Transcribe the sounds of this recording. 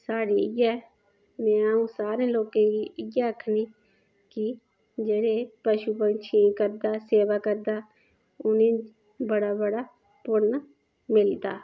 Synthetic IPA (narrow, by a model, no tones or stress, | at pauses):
saːɾiːɪɡaː | mɛ̃ːaːũːsaːɾẽːloːkẽːɡiːɪɡaːəkʰniː | ki | d͡ʒeːɽeːpəʃuːpənt͡ʃʰĩkəɾd̪aːseːʋaːkəɾd̪aː | ʊnẽː | bəɽaːbəɽaː | pʊɾna | mɪld̪a̰ː